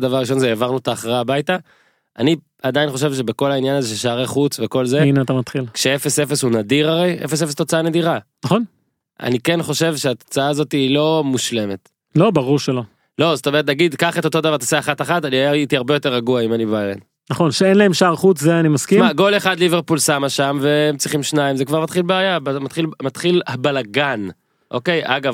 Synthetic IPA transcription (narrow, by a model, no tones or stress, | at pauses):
d̪avaʁːiʃo̞nzeːvaʁnut̪aːχʁabajta | ʔa̰ni | ad̪ajinχo̞ʃ̬e̞vʃe̞be̞ko̞lainjanazeʃelʃaaʁeχut͡sve̞ko̞lzeineat̪amat̪χilkʃeefe̞sefe̞shunadiʁaʁe̞jʔḛfes̬efesto̞t͡saaned̪iʁanaχon | a̰nikenχo̞ʃe̞vʃe̞at̪o̞̥t͡saaːzo̞tiːlo̞muʃle̞me̞t | lo̞baʁuʁʃelo | lo̞zotomeʁt̪̬naɡidkaχet̪o̞t̪o̞davaʁt̪aseaχataχataniait̪iaʁbe̞jo̞t̪eʁaɡuaimanibajḛn | naχo̞nʃeenlaemʃaʁχut͡szeanimaskimako̞leχad̪liveʁpulsamaʃamveemt͡sʁiχimʃnaimzekvaʁmat̪χilbeaːjabamat̪χilmat̪χilhabalaɡan | ʔo̞̰kejʔaɡav